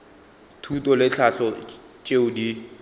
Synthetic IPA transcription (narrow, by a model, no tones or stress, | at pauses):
tʰutʼɔlɪɬʰaɬɔ | t͡ʃʼeʊdi